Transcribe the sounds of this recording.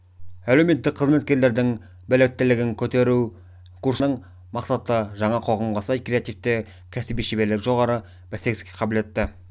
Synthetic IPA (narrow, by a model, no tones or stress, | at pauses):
ælewme̞t̪ːɪk̚ʲqʰəzme̞t̪̚kʲe̞ɾle̞ɾd̪ɪŋ | bælɪkʲɪt̪ːɪlɪɡʲɪŋkʲʰɵt̪e̞ɾu | kʰursnəɴ | mɑqsɑt̪əʒɑɴɑqʰoʁɑmʁɑsɑjkre̞at̪ijft̪ɪ | kʲʰæsibijʃebe̞ɾlɪkʒo̞ʁɑɾə | b̥æse̞kʲɪskʲeqʰɑble̞t̪ːɪ